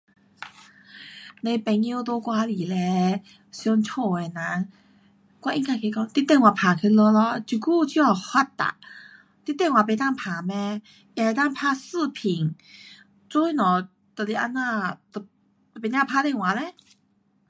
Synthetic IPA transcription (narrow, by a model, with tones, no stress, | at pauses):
le˧pɛ˧˩ŋi˧˨t̪o˧kwa˧li˨˩lɛ˧ | sjɔ˧nt͡ɕʰo˧˩e˨˩nã˧˦ | kwa˧˨ʔi˧nka˧˩kʰe˧kɔ˥˧˨ŋt̪i˧˦t̪ɛ˥˧ŋwa˨pʰa˨˩kʰe˧lɔ˧lɔ˧˦t͡ɕu˨˩ku˥˨t͡ɕʰi˧˦ɔ˨˩ha˧˩t̪ːa̰˨ | t̪i˦˥t̪ːɛ˥˨ŋwa˨pe˨˧˩t̪a˥˨ŋpʰa˨˩˦mɛ̃˧ | ʔja˧˨e˨˧t̪a˥˧ŋpʰa˧˦sɨ˥˧˨pʰi˨˩ŋ | t͡so˦i˨nɔ̃˨˩ | t̪ə˨˩li˧˩ʔa˧nːa˧t̪ | pe˨˦ɲã˥˧˨pʰa˧t̪ɛ˥˧˨ŋwã˨˦lɛ˧˦